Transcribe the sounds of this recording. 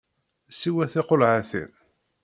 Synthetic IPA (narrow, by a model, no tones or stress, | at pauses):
siwæθɪqolʕaθḭn